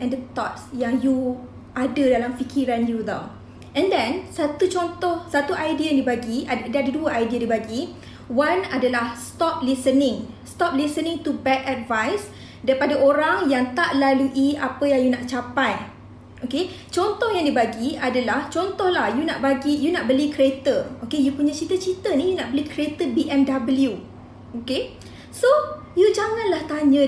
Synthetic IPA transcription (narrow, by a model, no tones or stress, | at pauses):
ʔɛ̃ndət̪ɔt̚sjaŋju | ʔadədalamfikʰiɾanjud̪o̰ | ɛ̃ndɛ̃nsat̪ut͡ʃɔnt̪ɔhsat̪uʔajdiəjaŋdibaɡiadadaduaʔajdiadibaɡi | wanadalahst̪ɔp̚lisənɪ̃ŋst̪ɔp̚lisənɪ̃ŋt̪ubɛtatvajs | daɾipadaʔoɾaŋjaŋt̪aʔlaluʔiapəjaŋjunaʔt͡ʃapaj | oke | t͡ʃɔnt̪ɔhjaŋdibaɡiadalaht͡ʃɔnt̪ɔhlahjunaʔbaɡijunaʔbəlikɾiet̪əokejupuɲat͡ʃit̪ət͡ʃit̪ənĩjunaʔbəlikɾiet̪əbiʔɛ̃ndabəlju | oke | so | jud͡ʒaŋãnlaht̪aɲə̃